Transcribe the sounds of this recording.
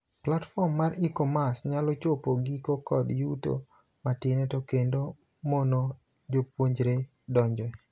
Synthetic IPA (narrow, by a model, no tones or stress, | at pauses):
platfɔmːaɾikɔmasɲalɔt͡ʃopoɡikokɔd̪juto̰ | matɪnɛtokendo | mono | d͡ʒop̚woɲd͡ʒɾe | dɔɲd͡ʒɔ